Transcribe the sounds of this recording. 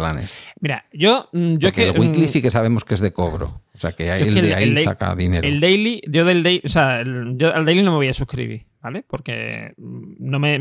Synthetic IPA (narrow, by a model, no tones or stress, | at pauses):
lanḛsmiɾaʝo̞ɟ͡ʝoekelɣwikklisike̞saβe̞mo̞skeezðe̞koβɾo̰oseakeajoeedea̰id̪esa̰ka̰ðineɾoeld̪ejlidoðeld̪ejʔoseaelʝo̞ʔald̪ejlinomeβojasukɾḭβḭɾb̥ale̞po̞ɾke̞̰ | nõme